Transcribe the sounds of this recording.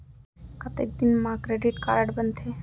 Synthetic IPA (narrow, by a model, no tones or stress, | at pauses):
kət̪ek̚d̪inmãkɾeɖiʈka̰ɾaʈbənt̪ʰe